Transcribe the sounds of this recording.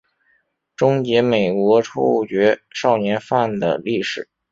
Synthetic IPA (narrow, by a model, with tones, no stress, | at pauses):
ʈ͡ʂʊ˥ŋt͡ɕjɛ˧˥me˨˩ɪkwɔ˧˥ʈ͡ʂʰu˥t͡ɕɥɛ˧˥ʂɑ˥˩ʊnjɛ˧˥nfa˥˩nd̪ə̰˩li˥˩ʂɻ̩˨˩˦